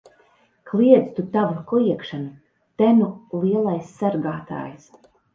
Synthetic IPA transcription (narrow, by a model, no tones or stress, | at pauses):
klˠiɛd̪zt̪ut̪avukɔjiɛkʃanu | t̪ænulˠiɛlˠajsːaɾɡaːt̪a̰ːjs